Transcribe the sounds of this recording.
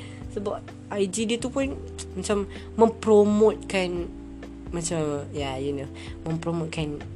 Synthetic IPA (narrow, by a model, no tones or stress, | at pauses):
səbap̚ | ajd͡ʒidit̪upʊn | mat͡ʃamː | ə̃mpɾomot̪̚kan | mat͡ʃamjajuno | mə̃mpɾomot̪̚kʰan